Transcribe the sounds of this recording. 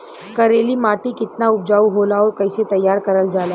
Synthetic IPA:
kəɾeliːmaʈiːkɪt̪naup̚d͡ʒauɦolaɔːɾkəjset̪əjːaɾkəɾəld͡ʒala

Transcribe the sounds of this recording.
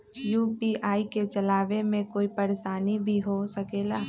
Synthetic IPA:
juːpiʔaːiket͡ʃɐlaːʋemẽkoːipɐɾeʃaːnibʱiɦosɐkeːlaː

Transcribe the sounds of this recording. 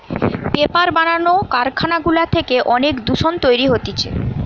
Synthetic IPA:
bepaɾbananokaɾkʰanaɡulat̪ʰekeʔɔnekd̪uʃont̪ojɾiɦot̪it͡ɕʰḛ

